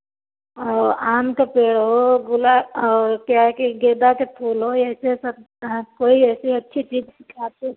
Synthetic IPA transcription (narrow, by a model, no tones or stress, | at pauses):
ɔːɾaːmkapeːɽɦoɡʊlaɔːɾkjakeɡeːd̪aket̪ʰuːlɦoɛːsesə̃ | koːiɛːsiɐtːʃʰit͡ʃiːd͡ʒsɪkʰaːte